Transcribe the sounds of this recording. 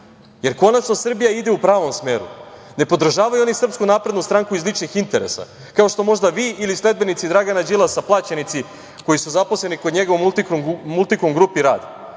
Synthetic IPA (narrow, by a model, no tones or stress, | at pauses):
je̞ɾko̞nat͡ʃno̞sr̩bijaid̪e̞upɾaːʋo̞msme̞ːɾṵ | ne̞po̞d̪r̩ʒaːʋajuo̞nisr̩pskunaːpɾed̪nust̪ɾaŋkuizlit͡ʃnixint̪e̞ɾe̞̰sa̰ | kao̞ʃt̪o̞mo̞ʒd̪aʋiʔilisle̞d̪̚be̞nit̪sid̪ɾaɡanad͡ʑilˠasaplˠaːt͡ɕenit̪si | ko̞jisuzaposlenikod̪ɲe̞ɡoʋomut̪ikmult̪ikumɡɾupiɾa̰ːd̪